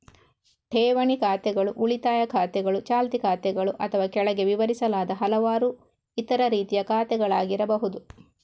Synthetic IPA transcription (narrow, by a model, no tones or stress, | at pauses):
ʈʰɛːʋɐɳikaːt̪ɛɡɐɭuʔuɭit̪aːjɐkʰaːt̪ɛɡɐɭut͡ʃaːlt̪ikaːt̪ɛɡɐɭuʔɐt̪ʰɐʋaːkɛɭɐɡe̞ʋiʋɐɾisɐlaːd̪ɐɦɐlɐʋaːɾu | it̪ɐɾɐɾiːt̪ijɐkaːt̪ɛɡɐɭaːɡiɾɐbɐɦud̪u